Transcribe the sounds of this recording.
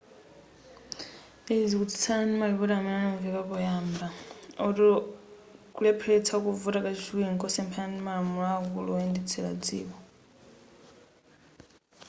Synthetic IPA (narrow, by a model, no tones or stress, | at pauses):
ezikutʰi̥t͡sʰanimaliβuɾamɛnanɔɱviβaβɔjambaɔɔ | kulɛpʰɛt͡sʰakuvuɾakat͡ʃit͡ʃuiŋkɔsɛmpʰɛanimaɺamuɺaːkuluɔɛndɛt͡sʰɛɺa̰d͡zḭːβɔ